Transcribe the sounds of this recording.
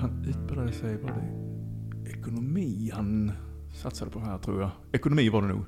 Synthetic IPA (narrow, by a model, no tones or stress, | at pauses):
hanʉ̟ːt̪̚bɪlad̪əsæɪbɑːd̪ɛ̰ | œkʊnʊmiːhan | sat̪sad̪əpʰɔhæːɾt̪ʰɾṵːjaɪ | œkʊnʊmiːʋɑɖ̪ɛnṵːɡ